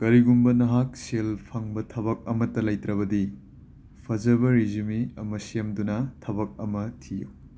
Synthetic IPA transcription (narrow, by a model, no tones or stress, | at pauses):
kɐɾiɡumbɐnɐɦak̚selpʰɐŋbɐtʰɐβɐk̚ɐmɐtːɐlɐjtɾɐbɐdi | pʰɐd͡ʒɐbɐɾizumiɐmɐsemdunɐtʰɐbɐk̚ɐmɐtʰijṵ